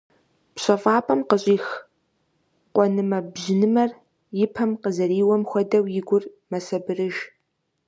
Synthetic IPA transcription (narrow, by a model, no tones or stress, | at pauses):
pɕʼɐfʼaːpʼɐmqəɕʼiːx | qʷɔnɨmɐbʑɪnɨmɐr | jɪpʰɐmqəzɐɾiːwɐmxʷɐdɐwjɪɡʷʊr | mɐsɐbɨrɨʒ